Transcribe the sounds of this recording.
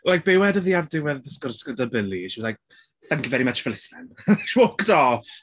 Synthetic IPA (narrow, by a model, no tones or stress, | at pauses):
lajk̚b̥ewɛdəðiardɪwɛðɪskɔrskədəbɪliʃulajk̚ | θəŋkivɛɾimɛtrəfɪlɪsɛnʃwokdɔf